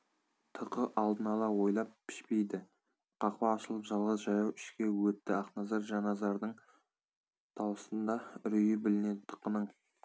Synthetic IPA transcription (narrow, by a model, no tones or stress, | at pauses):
t̪ʰəqəʔɑlˠd̪ənɑlˠɑwo̞jlˠɑp̚pʰːɪ̥ʃpe̞jd̪ɪ | qʰɑqwɑːʃəlˠəpʒɑlˠʁəzʒɑjɑwɪʃkʲe̞wɵt̪ːɪɑqnɑzɑɾʒɑnɑzɑɾd̪əɴ | t̪ʰɑwəst̪ənd̪ɑɾʏjəbɪlɪned̪ɪt̪ʰːə̥qːənəɴ